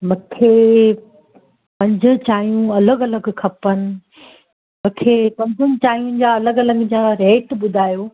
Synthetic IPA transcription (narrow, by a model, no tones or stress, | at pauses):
mũːkʰeː | pɐ̃ɲd͡ʑʱʊ̃̆t͡ɕaːijũɐləɡɐləɡkʰɐpənɪ̆ | mũːkʰeːpɐ̃ɲd͡ʑʱʊnɪ̆t͡ɕaːɦijũd͡ʑaɐləɡɐləɡd͡ʑaɾeːʈɓʊd̪ʱaːjoː